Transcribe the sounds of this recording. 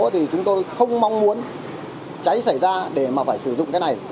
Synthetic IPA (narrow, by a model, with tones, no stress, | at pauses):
t̪ʰi˨˩t͡ɕʊ˨˦ŋ͡mt̪o˧jxə˧wŋ͡mma˧wŋ͡mmu˨˦ən | t͡ɕa˨˦jsa˧˩jzaː˧ɗe˧˩maː˨˩faː˧˩jsɨ˧˩zʊ̰˧˨ŋ͡mkaː˨˦jna˨˩j